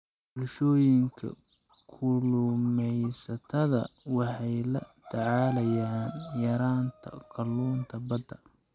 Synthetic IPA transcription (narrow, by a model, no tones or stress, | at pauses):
bʊlʃɔːjɪŋkʰɐ̰ | kʰʊlʊmɛjsɐt̪ʰɐðɐ̰wɑħɑjlɐt̪ʰɐʕɑːlɐjaːnjɐɾaːnt̪ʰɐ̰qʰɑlːuːnt̪ʰɐbɐd̪ːɐ